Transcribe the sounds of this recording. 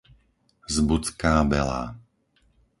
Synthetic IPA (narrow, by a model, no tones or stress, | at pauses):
zbut͡skaːbɛ̰la̰ː